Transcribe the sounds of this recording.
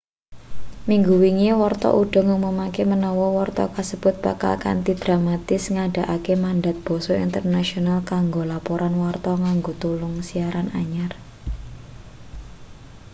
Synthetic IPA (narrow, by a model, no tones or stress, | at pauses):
miŋɡuwiŋiwɔrt̪ɔ̰ʔuɖ̥ɔ̤ŋumumakemənɔwɔwɔrt̪ɔ̰kəsəb̥ʊ̤t̪̚b̥a̤ka̰lka̰nt̪id̪̥ɾamat̪ɪsŋaɖ̥a̤ʔakemanɖat̪̚b̥ɔ̤sɔḭnt̪ərnasionalkaŋɡolapoɾʔanwɔrt̪ɔŋaŋɡot̪ulʊŋsiaɾanaɲar